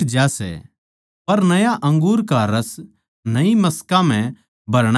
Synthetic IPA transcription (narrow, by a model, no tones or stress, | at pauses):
d͡ʒasɛ̰ | pɐɾnɐjaʔɐ̃ŋɡuːɾkaɾɐs | nɐimɐskãm̤ɛ̃ | bɐɾɽ̃